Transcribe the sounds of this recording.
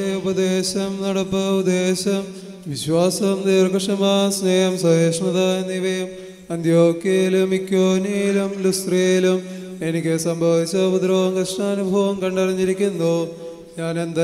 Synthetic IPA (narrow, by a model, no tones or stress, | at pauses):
eubɐd̪eːɕɐmnɐɽɐpːɨud̪eːɕɐm | ʋiɕʋaːsɐmniːrkɐʂɐmaːsneːjɐmsɐɦeːʂɳɐðaːenːiʋɐjɐm | ɐnd̪ʱjoːkjɐjlumikːoːniilumlust̪rejilum | enikʲːɨsɐmbʱɐʋit͡ɕːɐpud̪ɾɐʋɐmkɐʂɳaːnubʱɐʋɐmkɐɳɖɐrɐɲːiɾikʲːunːoː | ɲaːnend̪ɐ